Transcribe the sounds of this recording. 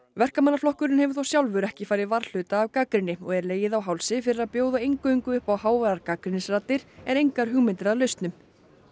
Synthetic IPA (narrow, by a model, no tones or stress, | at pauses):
vɛr̥kamanːaflɔhkʏɾɪnhɛvʏɾ̥θawsjawlvʏɾɛhcɪfajɾɪðvaɾl̥ʏːt̪aːvkaːkɾɪnːɪɔɣɛɾleːjɪðawɦawlsɪfɪɾɪɾaðpjoːwðaejŋkʏiŋkʏʏhpawhaːwvaɾaɾkaːkɾɪnɪsrat̪ːɪɾ̥ɛnejŋkaɾ̥ɦʏɣmɪnt̪ɪɾaðlœɥst̪nʏm